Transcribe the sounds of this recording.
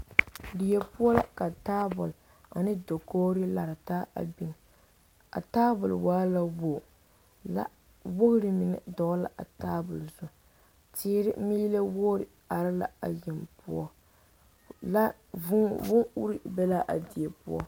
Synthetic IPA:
di˨jɛ˨pʊ˦ɔ˦la̰˦ka˨taː˦bʊ˨l | a̰˨nɪ˦do˨koː˦ɾɪ˦la˨ɾɨ˨taː˦ʔa̰˨bi˨n˨ | a̰˨taː˦bʊ˨lwaː˦la˦wo˨ | la̰˦ | wo˦ɣɾɪ˨mɪ˨nɪ̰˨dɔ˨ʔla̰˨ʔa˨taː˦bʊ˨lzʊ˨ | tɪː˦ɾɪ˦miː˦le˦wo˦ɾɪ˨ | a˨ɾɪ˦la̰˨a̰˨jɪ˨mpʊ˦ɔ˦ | la˦ | ʊ˦vʊ˦u˦ɾi˨bɛ˦la˦ʔa˨di˨ɛ˨pʊ̰˦ɔ̰˦

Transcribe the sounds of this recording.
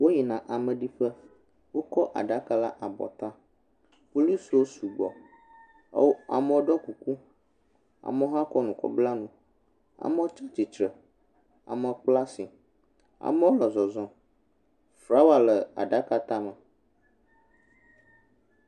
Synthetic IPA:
wo˦ɲi˨nã˨ʔa˨mə˨ɖi˦ɸə˦ | wo˦kɔ˦ʔa̰˨ɖa˦ka˦la˦ʔa˨bɔ̰˨t̪ã˦ | fu˦li˦swo˦su˨ɡ͡bɔ̰˨˦ | a̰˨mə̃˦wo˦ɖɔ˦ku˨ku˦ | a̰˨mə˦ɦã˦kɔ˦nũ˨kɔ̰˨bla˦nũ˨ | a̰˨mə˦o˦t͡ʃa˦t͡ʃi˨t͡ʃɾə˨ | a̰˨mə˨k͡pla˦si˨ | a̰˨mə̃˦wo˦lɔ˨zɔ˨zɔ̃˨ | fɾa˦wa˨lə˨a̰˨ɖa˦ka˦t̪a˦mə˨

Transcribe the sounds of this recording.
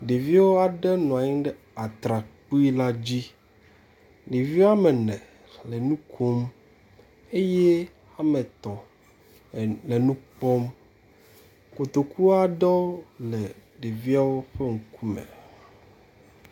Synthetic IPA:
ɖe˨vi˦a˦wo˦a˨ɖɛ˦nɔ̃˨a˨ɲĩ˦ɖɛ˦ | a˨t̪ɾa˨k͡pu˦i˦la˦d͡ʑi˦ | ɖi˨vi˦a˦mɛ˨nɛ̃˨ | lɛ˨nũ˦kʰo˦m | e˦je˦ | a˦mẽ˨t̪ɔ˨ | le˨nũ˦k͡pɔ˦m | ko˨t̪o˨ku˦a˦ɖɔ˦lɛ˨ɖe˨vi˦a˦wo˦ɸɛ˦ŋ̩˨ku˦mɛ̰˨

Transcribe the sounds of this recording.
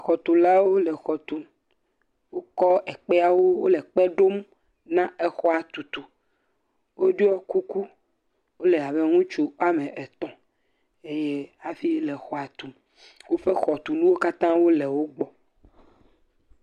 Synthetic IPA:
a˨xɔ˨t̪u˨la˦wo˦lɛ˨xɔ˨t̪u˨ | wo˦kɔ˦ɛ˨k͡pe˦a˦wo˦wo˦lɛ˨k͡pɛ˦ɖo˦m | nã˦e˦xɔ˦a˨t̪u˨t̪u˨ | wo˦ɖi˦ɔ˦ku˦ku˦ | wo˦lɛ˨a˨be˦ŋũ˦t͡ʃu˦a˦mẽ˨ʔe˨t̪ɔ̃˨ | e˦je˦a˨fi˦lɛ˨xɔ˦a˨t̪u˨ | wo˦fe˦xɔ˨t̪u˨nũ˦wo˦ka˦t̪ã˦wo˦le˨wo˦ɡ͡bɔ˨

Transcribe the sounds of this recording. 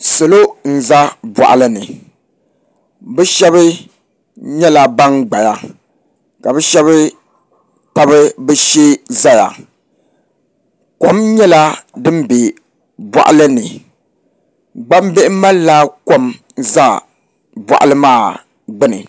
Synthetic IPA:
so˨lo˦n̩˨za˦ba̰˨ʔa˨lɨ˦nɨ˨ | bɛ˦ʃɛ˦βɨ˦ | ɲɛ˦la˨ba˦ŋɡ͡ba˨ja˦ | ka˨bɛ˦ʃɛ˦βɨ˦ | ta˦bɨ˦bɛ˦ʃeː˦za˦ja̰˨ | ko˦mɲɛ˦la˦dɨ˦m˦be˨ | bwa̰˨ʔa̰˦lɨ˦nɨ˨ | ɡ͡ba˦m˦be˦ʔɪ˦ma˦lla˦ko˦m | za˦ | ba̰˨ʔa̰˨lɨ˦maː˦˨ | ɡ͡bɨ˦nɨ̰˨

